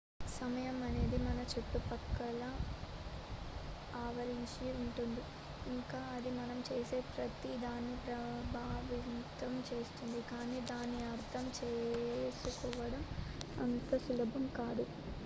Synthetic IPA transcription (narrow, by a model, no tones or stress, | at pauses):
sɐmɐjɐmɐne̞ːd̪imɐnɐt͡ʃuʈːupɐkːɐlɐ | aːʋɐɾiɲt͡ʃiuɳʈund̪iː | ŋkaːɐd̪imɐnɐmt͡ʃe̞ːse̞ːpɾɐt̪id̪aːnːipɾɐbʱaːʋit̪ɐmt͡ʃe̞ːst̪und̪ikaːniːd̪aːnːiɐɾt̪ʰɐmt͡ʃeːsukɔːʋɐɽɐmɐ̰nt̪ɐsulɐbʱɐmkaːd̪u